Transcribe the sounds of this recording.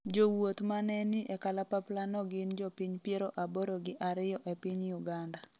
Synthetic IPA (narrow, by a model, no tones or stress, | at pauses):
d͡ʒowot̪manɛnɪʔɛkalapaplanɔɡɪnd͡ʒɔpiɲpjeɾoʔaboɾoɡɪʔaɾɪjɔʔepiɲjuɡanda